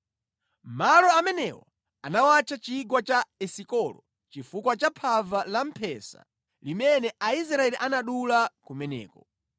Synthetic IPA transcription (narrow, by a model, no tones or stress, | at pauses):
m̩malɔamɛnɛwɔ̰ | anawat͡ʃat͡ʃiɡwat͡ʃaɛsikɔlɔ | t͡ʃifukwat͡ʃapʰavalam̩pʰɛsa̰ | limɛnɛʔais̬ɾaɛliʔanaɗulakumɛnɛ̰ːkɔ